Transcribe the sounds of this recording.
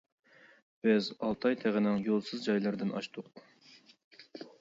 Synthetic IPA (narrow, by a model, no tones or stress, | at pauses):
b̥ɪzɑlˠt̪ʰɑjt̪ʰæʁɪnɪŋjolˠsɨzd͡ʒɑjlˠɨɾd̪ɨnɑ̰ʃt̪ʰʊq̚